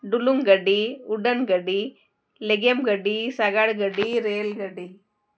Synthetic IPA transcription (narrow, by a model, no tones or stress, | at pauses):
ɖʊluŋɡɐɽiʊɽɐnɡɐɽi | lɛɣɐmɡɐɽisɐɣaːɭɡɐɽiɾeːlɡɐɽi